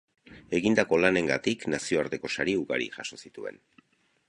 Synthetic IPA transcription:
e̞ɣind̪ako̞lane̞ŋɡa̰t̪iknasio̞aɾt̪e̞ko̞saɾiuɣa̰ɾḭʝaʃo̞sit̪ue̞̰n

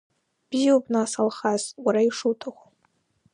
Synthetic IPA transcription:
b̥ijwbnasalχazwaɾaiʂutʰaχʷa

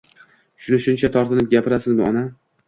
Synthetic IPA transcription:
ʃʊnɪʃʊnt͡ʃʰat̪ʰɒɾt̪ʰɪnɪp̚ɡʲapɪɾasɪzmʊɒna

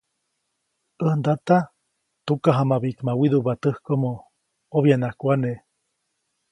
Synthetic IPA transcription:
ənd̪at̪a | t̪ukaɦamaβiʔkmawiðuβat̪ɨhkomo | oβjanahkʷane

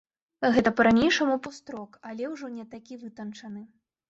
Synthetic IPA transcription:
ɣɛt̪ɐpɐɾanʲejʂɐmupust̪ɾɔkɐlʲɛwʐɔnʲɛt̪akʲivɨt̪ɐnt͡ʂɐnɨ

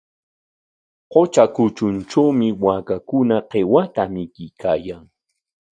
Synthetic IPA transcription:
qot͡ʃakʊt͡ʃʊnt͡ʃawmɪwakakʊnaqewat̪amɪkɪjkaːjaŋ

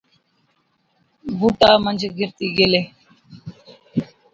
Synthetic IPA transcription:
buːʈaːmənd͡ʒɡɪɾt̪iːɡeleː

